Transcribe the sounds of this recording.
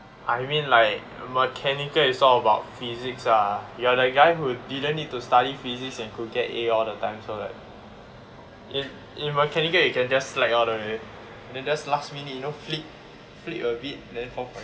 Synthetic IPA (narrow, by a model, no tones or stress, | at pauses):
ʔajmĩnlaɪk | məkʰɛnikəisɔləbaʊt̚fiziksajuadəɡaɪhudidə̃nːit̚tustaɾifiziksɛ̃nkuɡɛteɔldətãɪ̃msola̰ɪk̚ | ʔĩn | ĩnməkʰɛnikəjukɛ̃nd͡ʒaslakɔldəe | ɛndɛ̃nd͡ʒaslastminijnoflit̚ | flḭʔəbit̚ɛ̃ndɛ̃nfɔ̃fɔ